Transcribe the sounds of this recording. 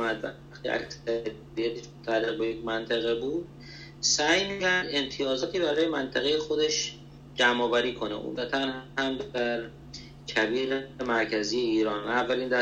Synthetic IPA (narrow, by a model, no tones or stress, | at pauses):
mæd̪væ̰ | xt̪ḭʔæ̰ksæ | bijæt̪ʰeʃmont̪ʰælːeɣbejekmænt̪ʰeɣebuːd̪̥̚ | sæjmicʰæɾd̪e̞nt̪ʰijɒːzɒːt̪ʰiːbæɾɒːjemænt̪ʰæɣejexod̪eʃ | d͡ʒæmɒːvæɾiːkʰo̞nḛʔṵmd̪æt̪ʰænhhæmd̪æɾ | cʰæbiːʁemæɾcʰæziːjeiːɾɒːnæːvːæliːnd̪æ